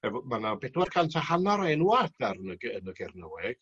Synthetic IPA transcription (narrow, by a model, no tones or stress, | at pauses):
ɛvɔmanabɛdwarkʰantʰahanɔɾɛjnuad̥arnəɡənəɡɛrnəwɛɡ̥